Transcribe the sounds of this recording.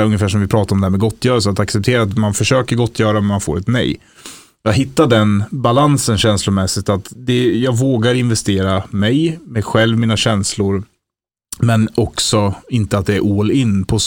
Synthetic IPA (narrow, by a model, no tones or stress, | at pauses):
ɵŋːəfæːʂɔmvɪpʰɾɑːt̪aɾɔmd̪ɛhæːmɛɡɔt̪ʰːjœːɾəls̬əat̪aksɛp̚t̪ʰeːɾaat̪manfœʂøːkəɾɡɔt̪ʰːjœːɾamɛnmanfo̰ːɾɛt̪nɛ̰j | jɑːɡɦɪt̪ːaɖɛnbalansənɕɛnslʊmɛsɪt̪at̪d̪ɛjɑːɡvoːɡaɾɪnvɛst̪eːɾamɛjmɛɧɛlvmiːnaɕɛnslʊɾ | mɛnɔksɔɪnt̪əat̪̚d̪ɛːɾʔuːlɪnːpʰɔ